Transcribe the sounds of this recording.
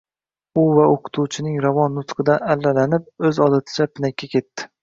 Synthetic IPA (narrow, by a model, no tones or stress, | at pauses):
ʊvaoqʰɨ̥t̪ʰut͡ʃʰɪnɪŋɾavɒnːʊt̪qʰɨd̪aalːalanɪp̚ɵzɒd̪at̪ʰɪ̥t͡ʃapɪnakʲːakʲe̞t̪ːɪ̥